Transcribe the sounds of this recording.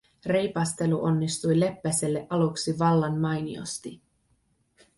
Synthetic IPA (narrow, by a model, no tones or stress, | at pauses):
re̞jpɑst̪e̞luʔo̞nːist̪ujle̞pːæse̞lːe̞ʔɑluksiʋɑlːɑnmɑjnḭo̞̰st̪i